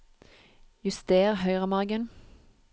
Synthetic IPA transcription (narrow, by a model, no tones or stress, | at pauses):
jʉst̪eːʁhœʏʁɑmɑʁɡən